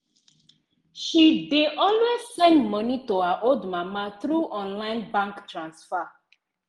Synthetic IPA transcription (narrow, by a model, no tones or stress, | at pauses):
ʃideʔɔlwezsɛ̃ndmɔnitohaʔoldmamaθɹuʔɔ̃nlãɪ̃nbãŋktɹãnsfa